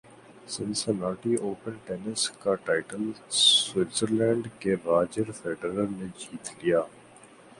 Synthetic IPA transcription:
sɪ̃nsənaːʈioːpənʈɛːnəskaʈaːɪʈəlwɪtsəɾlɛ̃ːɳɖkeɾaːd͡ʒəɾfɛːɖəɾəɾned͡ʒiːt̪lijaː

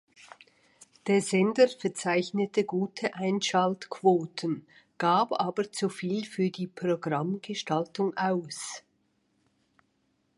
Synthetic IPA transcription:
d̥eːɐzɛndəfɛɐt͡saɪçnətʰəɡuːtʰəʔaɪnʃaltkʰv̥oːtʰən | ɡ̥aːbʔaːbət͡sufiːlfyːɐdiːpʁ̥oɡʁamɡ̥əʃtaltʊŋʔaʊs

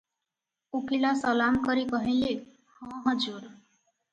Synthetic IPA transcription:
ukʰilasʌlamkʌɾikʌɦile | hʌ̃ɦʌd͡zuɾ

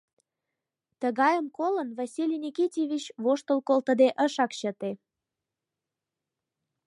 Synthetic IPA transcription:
t̪əɣɑjəmkolənvɑsʲilʲinʲikitʲjeβʲit͡ɕβoʃt̪əlkolt̪ə̆d̪eʔəʃɑkɕət̪e

